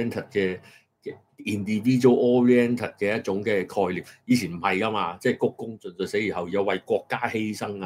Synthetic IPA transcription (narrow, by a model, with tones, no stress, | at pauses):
ɛ˥nt̪ʰɐ˨˩t̚kɛː˧ | kɛ˧ | iː˨nt̪iː˨˧fiː˥t͡ʃo˥wʔɔː˧ɹi˧ɛ˥nt̪ʰɐ˨˩t̚kɛː˧jɐ˥t̚t͡sʊ˨˥ŋkɛː˧kʰɔː˧jliː˨˩p̚jiː˨˧t͡sʰiː˨˩nm̩˨˩hɐ˨jkaː˥maː˧t͡sɛː˥˩jkʊ˥kːʊ˥ŋt͡sɵ˨˧nsɵ˨˧se˨˥jiː˨˩ɦɐ˨wjɐ˨˧wɐ˨jkʷɔː˧kːaː˥he˥jsɐ˥ŋaː˧